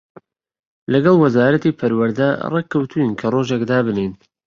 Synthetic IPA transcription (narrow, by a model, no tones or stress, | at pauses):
lɐɡɑlˠwɐzaːɾɐt̪iːpʰɐɾwɐɾd̪ɐreːkʰːɐwt̪ʰuinkʰɐroʒekd̪aːbɨnejn